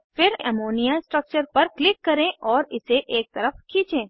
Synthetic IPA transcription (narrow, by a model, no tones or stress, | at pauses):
fɪɾɛ̰ːmoːnijasʈɾək̚t͡ʃəɾpɐɾklɪkːɐɾẽːʔɔːɾɪseʔeːk̚t̪ɐɾəfkʰiːt͡ʃẽː